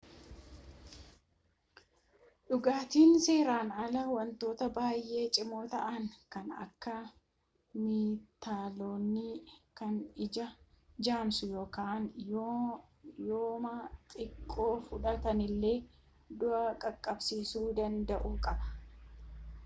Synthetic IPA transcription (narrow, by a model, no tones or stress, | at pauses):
ɗʊɡaːt̪iːnse̞ːɾaːnɐlɐwɐnt̪o̞ːt̪ɐbaːjʔe̞ːt͡ʃʼɪmoːt̪ɐʔɐŋkɐnɐ̰kːɐ | miːt̪ːaːlo̞ːnːikɐnɪd͡ʒɐ | d͡ʒaːmsʊjo̞ːkaːn | joːmat̪ʼɪkʼːo̞ːfʊᶑɐt̪ɐnɪlːe̞ː | d̪ʊʔɐkʼɐkʼːɐbsiːsuːd̪ɐnd̪ɐʔuːkʼɐbɐ̥